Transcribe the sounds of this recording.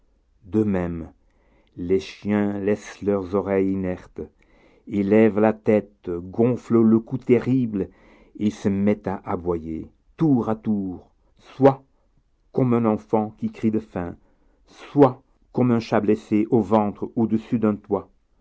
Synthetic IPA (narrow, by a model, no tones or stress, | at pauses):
d̪əmɛm | leʃjɛ̃lɛslœʁzɔʁɛjinɛʁt̪ | elɛvlat̪ɛt̪ɡɔ̃flələkut̪ɛʁibl | esəmɛt̪aʔabwaje | t̪uʁat̪uʁ | swa | kɔmɛ̃nɑ̃fɑ̃kʲikχid̪əfɛ̃ | swa | kɔmɛ̃ʃableseʔovɑ̃t̪χod̪əsyd̪ɛ̃t̪wa